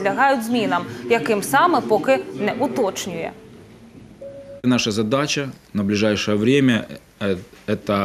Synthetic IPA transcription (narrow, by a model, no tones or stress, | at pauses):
lʲɐɦɑjʊdʲzʲmʲinɐmjɐkɪmsɑmɛpɔkɪnɛʔʊt̪ɔt͡ʃnʲʊjɛ̰ | nɑʂɐzɐd̪at͡ɕɐnɐblʲɪʐajʂɔjɛʋɾʲemʲɐ | ɛt̪ɐ